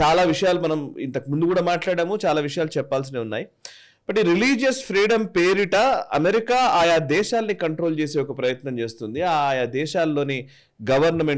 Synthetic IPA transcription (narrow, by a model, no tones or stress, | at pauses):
t͡ʃaːlaːʋiʂɐjaːlumɐnɐmḭnt̪ɐkimund̪ukuːɽaːmaːʈlaːɽaːmut͡ʃaːlaːʋiʂɐjaːlut͡ʃɛpːaːls̬ineːunːaːji | bɐʈiɾiliːd͡ʒjɐspʰɾiːɽɐmpeːɾiʈɐɐ̰meɾikaːaːjad̪ɛːʃaːlnikɐɳʈɾo̞ːlt͡ʃeːse̞ːɔkɐpɾɐjɐt̪nɐmt͡ʃe̞ːst̪und̪iaːjad̪ɛːʃaːlːo̞ːni | ɡɐʋɐɾnɐmeɳ